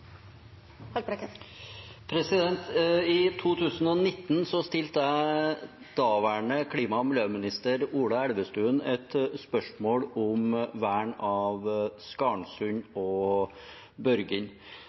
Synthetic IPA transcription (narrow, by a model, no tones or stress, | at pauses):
hɑpɾk | pʰɾɛsɪd̪ɛnt̪ɪt̪ʰuːt̪ʰʉːsnɔnɪt̪ːnsɔst̪ɪlt̪əæɪ | d̪̥ɑːʋæɳəkʰɽiːmɑmʊlømɪnɪst̪əɾuːɽɑɛlʋəst̪ʉːnɛt̪spœʂmoːɽʊmʋæːɳɑʋskɑːɳsʉɲɔ | bœɾɡəɲ